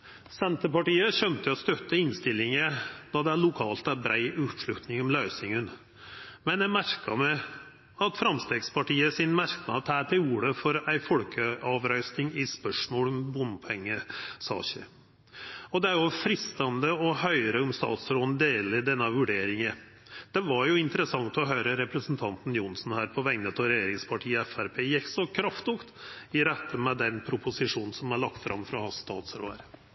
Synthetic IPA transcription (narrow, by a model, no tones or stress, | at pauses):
sɛnt̪əpɑʈiːəɕœnt̪əɔst̪œt̪ːəɪnst̪ɪlːɪŋəd̪ɑːd̪ɛæɭʊkʰɑːlt̪æɾbɾæɪʔʉːt̪ʂɭʉt̪nɪŋɔmlœʏsɪŋən | mɛnjæɪmæɾkɑmɛɪ | ɑt̪fɾɑmst̪eːɡspʰɑʈiːəsɪnmæɾknɑt̪ʰæːt̪ɪuːɾəfɔɾæɪfɔɽkʰəɑʋɾœʏsnɪŋɪspœʂmoːlɔmbʊnpʰɔɛŋːəsɑ̰ːɕə̰ | ɔd̪ɛæɾjʊfɾɪst̪ɑnd̪əɔhœʏɾəɔmst̪ɑ̰ːt̪sɾoːnd̪eːlɪd̪ɛnːəʋʉɖeːɾɪŋə | d̪̥ɛʋɑɾjʊɪnt̪əɾəsɑŋt̪ɔɦœʏɾəɾɛpɾəsn̩t̪ʰɑnt̪n̩jʊnsn̩hæːɾpʰɔʋæɪŋnət̪ʰɔɾɛjeːɾɪŋspʰɑʈʰiːəɛfæɾpʰeːjɛksɔkʰɾɑft̪ʊkt̪ɪɾɛt̪ːəmɛd̪ɛnpʰɾʊpʊsɪʂuːnn̩sɔmæɭɑk̚t̪fɾʔɑ̰mfɾɑhɑːst̪ɑ̰ːt̪sɾo̰ːə̰ɾ